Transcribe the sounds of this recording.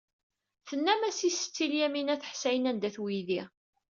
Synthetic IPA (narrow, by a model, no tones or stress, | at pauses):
θənːæmæsisə̥t͡sːiljæminæθə̥ħsæjənænd̪æθwiði